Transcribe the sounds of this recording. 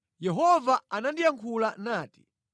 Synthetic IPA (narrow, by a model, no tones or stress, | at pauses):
jɛɦɔvaanandijaŋkʰulanaːti̥